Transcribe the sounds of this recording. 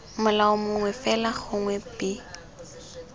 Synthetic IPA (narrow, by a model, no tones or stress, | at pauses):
mʊlaʊmʊŋwɛfɛlaχʊŋwɛpɪ